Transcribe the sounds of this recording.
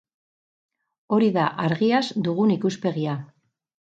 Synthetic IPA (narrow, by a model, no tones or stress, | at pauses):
o̞ɾiðaʔaɾɣiazd̪uɣ̞unikuspe̞ɣia